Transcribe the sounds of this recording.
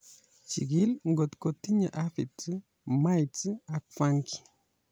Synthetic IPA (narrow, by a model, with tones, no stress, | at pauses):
t͡ʃḭ˨ɡi˦lŋɡo˨t̪ko˨t̪i˦ɲa˨ʔa˦fi˨tɨ˦ | ma˦jt͡sɨ˦a˨kfa˦ŋki̥˨